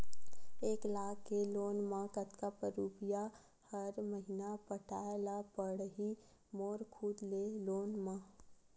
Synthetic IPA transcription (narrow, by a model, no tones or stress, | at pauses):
eːklaːkːeloːnmãkət̪kapəɾuːpija | həɾməɦinapəʈʰaːelapəɽɦi | moːɾkʰuːd̪leloːnmãː